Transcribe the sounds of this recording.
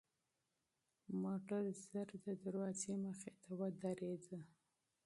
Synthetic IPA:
moʈaɾzəɾd̪əd̪aɾwɑzeməxet̪awəd̪aɾed̪ə

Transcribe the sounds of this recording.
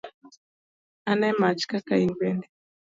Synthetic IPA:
anɛmat͡ʃkakainbɛndɛ

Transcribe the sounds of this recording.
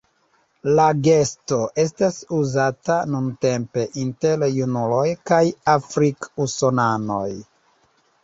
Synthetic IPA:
laɡe̞sto̞ʔe̞s̬tasuzatanunte̞mpe̞ʔinteljunulo̞jkajafɾikusonano̞̰j

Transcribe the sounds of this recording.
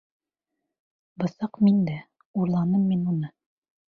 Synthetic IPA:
bɤ̆sɑqmind̪æ | uɾlˠɑnɤmːinunɤ

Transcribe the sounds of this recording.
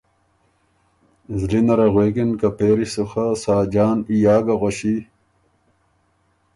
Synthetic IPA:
zlinɐɾɐɣweːkinkɐpeːɾisuxasaːd͡ʑaːnijaːɡɐɣoɕi

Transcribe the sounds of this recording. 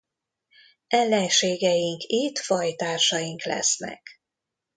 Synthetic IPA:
ɛlːɛnʃeːɡɛjiŋkit̪fɒjt̪aːrʃɒjiŋklɛ̰snɛ̰k

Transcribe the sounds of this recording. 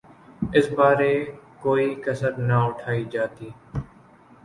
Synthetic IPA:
ɪsbaːɾeːkoːiːkəsəɾnaʊʈʰaːiːd͡ʒaːt̪iː

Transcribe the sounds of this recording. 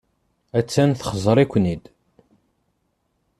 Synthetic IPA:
æt͡sːænθəχəzˤɾˤikʷːnid̪

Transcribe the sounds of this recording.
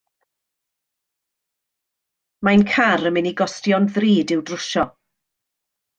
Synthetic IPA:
majnkʰaɾəmɪniɡɔstjɔnðriːdɪwdrʊʃɔ

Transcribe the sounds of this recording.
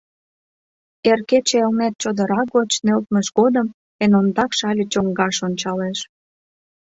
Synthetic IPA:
erket͡ɕeelnæt̪̚t͡ɕod̪əɾɑk̚ɡot͡ɕnølt̪məʃɡod̪əm | enomd̪ɑkʃɑlʲət͡ɕoŋɡɑʃonʲt͡ɕɑleʃ

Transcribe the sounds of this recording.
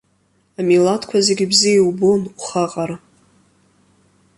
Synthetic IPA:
amilatʰkʷʰazeɡʲibzijewbonuχaqʼaɾ

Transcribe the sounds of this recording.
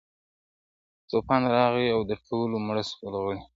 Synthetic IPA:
t̪opɑnɾɑɣiawd̪əʈʰolomɽəskolaɣəɽi

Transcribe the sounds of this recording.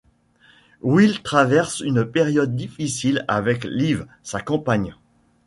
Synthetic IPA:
wilt̪χavɛʁsynpeʁjɔd̪ːifisila̰vɛkliv | sakɑ̃paɲ

